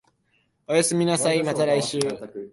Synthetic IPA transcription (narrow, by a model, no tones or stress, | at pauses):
ojosɨmʲinasaimat̪aɾaiɕɨː